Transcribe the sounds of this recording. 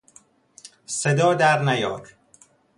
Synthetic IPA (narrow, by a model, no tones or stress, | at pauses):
sed̪ɒːd̪æɾnæjɒ̰ːɾ